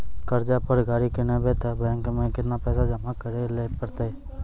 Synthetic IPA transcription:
kəɾd͡ʒaːpəɾɡaːɾikɪnẽːbeːt̪aːbeːŋkmẽːkɪt̪naːpɛːsad͡ʒəmakəɾeleːʈpəɾt̪e

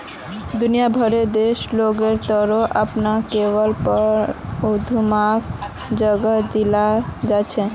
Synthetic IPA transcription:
d̪unijabʱəɾed̪eʃloɡeɾt̪əɾoʔəpnakebəlpəɾod̪ʱumak | d͡ʒəɡəd̪ilad͡ʒat͡ʃʰɛ

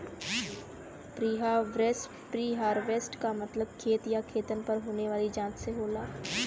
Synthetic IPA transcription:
pɾiːɦaʋɾeːsʈpɾiːɦaːɾʋeːsʈkamɐt̪ləb̚kʰeːt̪jakʰeːt̪ənpɐɾɦoːneʋaːlid͡ʒãːt͡ʃseɦoːlaː

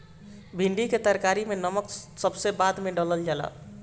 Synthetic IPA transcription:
bʱiɳɖiket̪əɾkaɾimenəməksəbsebad̪meɖələld͡ʒala̰

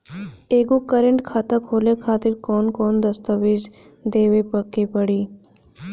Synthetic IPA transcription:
eːɡõkəɾəɳʈkʰaːt̪akʰoːlekʰaːt̪ɪɾkɔːnkɔːnd̪ɐst̪əʋɪd͡ʒ | d̪eːʋepəkːepəɽiː

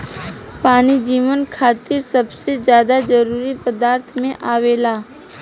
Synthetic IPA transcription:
paːnid͡ʒiːʋənkʰaːt̪ɪɾsəbsezjaːd̪ad͡ʒəɾuːɾipəd̪aːɾt̪ʰmẽʔaːʋeːlaː

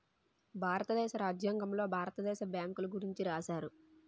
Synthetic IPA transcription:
bʱaːɾɐt̪ɐd̪ɛːʃɐɾaːd͡ʒjaːŋɡɐmlo̞ːbʱaːɾɐt̪ɐd̪ɛːʃɐbjaːŋkuluɡuɾiɲt͡ʃiɾaːʃaːɾu

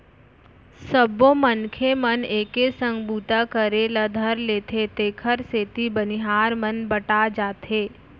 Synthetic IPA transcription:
səbːõmənkʰeməneːkesə̃ŋbuːt̪akəɾeləd̪ʱəɾleːt̪ʰet̪eːkʰəɾseːt̪ibənɪɦaːɾmənbəʈad͡ʒaːt̪eː

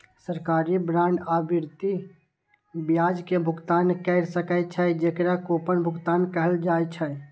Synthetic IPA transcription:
səɾkaɾibɾaɳɖabʱiɾt̪i | bjad͡ʒkebʱʊɡt̪ankəɪɾsəkət͡ʃʰəd͡ʒekɾakopənbʱʊɡt̪aːnkəɦəld͡ʒajt͡ʃʰə

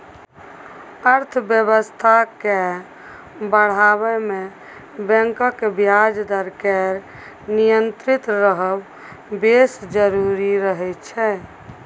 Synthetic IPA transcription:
əɾt̪ʰbjəbəst̪ʰake | bəɽ̤aβɛme | bɛ̃ŋkəkːebjad͡ʒd̪əɾkɛɾ | nijənt̪ɾit̪ɾəɦəb | besd͡ʒəɾuɾiɾəɦɛt̪t͡ʃʰɛ

